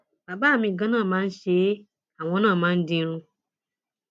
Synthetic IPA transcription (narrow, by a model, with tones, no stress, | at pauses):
ba˨ba˦˨mĩ˨ɡã˦nã˦˨mã˦n̩˦ʃe˦ | a˨wɔ̃˦nã˦˨mã˦n̩˦dĩ˦ɾ̃ũ˦